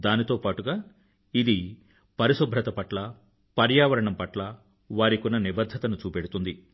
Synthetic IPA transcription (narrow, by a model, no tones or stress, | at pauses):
d̪aːnit̪o̞ːpaːʈuɡaː | id̪i | pɐɾiʃubʱɾɐt̪ɐpɐʈlɐ | pɐɾjaːʋɐɾɐɳɐmpɐʈlɐ | ʋaːɾikunːɐnibɐd̪ʱːɐt̪ɐnut͡ʃuːpeɽut̪und̪i